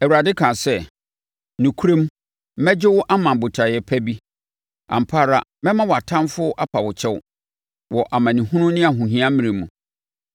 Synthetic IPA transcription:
ɛ˨wu˨ɾa˨dɪ˦kʰã˨sɛ˦˨ | nũ˨kʰu˦ɾẽ˦m˦ | mɛ˦d͡ʑɪ˦wʊ˦ʔa˦mã˨bʊ˨tʰa˨jɛ˨pʰæ˦bi˦ | ã̰˨m̩˨pʰa˦˨ɾa̰˦mɛ̃˦mã˦wɔ˨a˨tʰã˦mfʊ˦ʔa˦pʰa˨wʊ˨t͡ɕʰɛ˦wʊ̰˦ | wɔ˨ʔa˨mã˨nĩ˨ɦʊ̃˦nʊ̃˦nɪ̃˦a˨ɦũ˨ɦĩ˦ã˦mĩ˨ɾẽ˨mũ˨

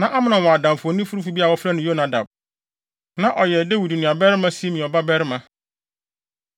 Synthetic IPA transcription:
nã˨ʔa˦mɪ̃˦nã˨wɔ̃˨a˨dã˨m˨fu˨ɔ˨nĩ˦fu˦ɾu˦fu˦bi˦a˨wɔ˦fɾa˦nʊ̃˨jo˦na˨da̰˨b̚ | nã˨ʔɔ˨jɛ˨de˦wi˨du˨nʊ̃˨a˨bɛ˦ɾɪ˦mã˦si˦mĩ˨ɔ˨ba˦bɛ˦ɾɪ˦mã˨

